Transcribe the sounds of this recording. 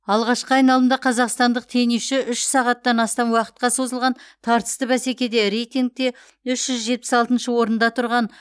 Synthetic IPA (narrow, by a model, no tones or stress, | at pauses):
ɑlˠʁɑʃqəɑjnɑlˠəmd̪ɑqʰɑzɑqst̪ɑnd̪əq̚t̪ʰe̞neʃɪʔʏʃsɑʁɑt̪ːɑnɑst̪ɑnwɑqə̥t̪̚qɑso̞zəlˠʁɑnt̪ʰɑɾt̪ə̥st̪əbæse̞kʲe̞d̪e̞ɾejt̪iŋk̚t̪e̞ | ʏʃʒ̥ʏzʒe̞t̪̚pɪ̥sɑlˠt̪ənʃəwo̞ɾənd̪ɑt̪ʰʊɾʁɑn